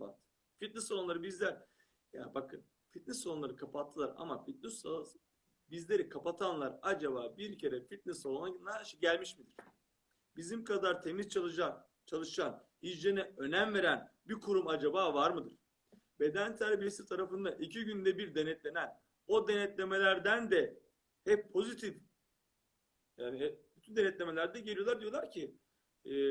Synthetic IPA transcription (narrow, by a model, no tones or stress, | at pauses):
a̰t̪ | fit̪̚nɛsolˠonlˠaɾɯbizlʲæɾ | ja̰bakʰɯn | fit̪̚nɛsolˠunlˠaɾɯkʰapʰat̪ʰːɯlˠaɾa̰mafit̪̚nis | bizlʲe̞ɾikʰapat̪ʰanlˠaɾad͡ʒabaːbiɾcʰe̞ɾɛfit̪̚nɛsolˠonanˠahæɾʃiɟælʲmiʃmid̪iɾ̥ | bizimkʰad̪aɾt̪ʰe̞mizt͡ʃʰalˠɯʃa | t͡ʃʰalˠɯʃan | hid͡ʒenɛø̞næmve̞ɾænbikʰuɾumad͡ʒabaːvaɾmɯd̪ɯɾ̥ | be̞d̪ænt̪ʰæɾbiɾsiɾt̪ʰaɾafɯnd̪aʔicʰiɟynd̪ɛbiɾd̪enɛt̪lʲe̞næn | o̞d̪enɛt̪lʲe̞me̞lʲæɾd̪ænd̪ɛ | hɛpʰːo̞zit̪ʰif | jaːnibyt̪ʰynd̪enɛt̪lʲe̞me̞lʲæɾd̪ɛɟelʲijo̞lˠaɾd̪ijolˠaɾcʰɪ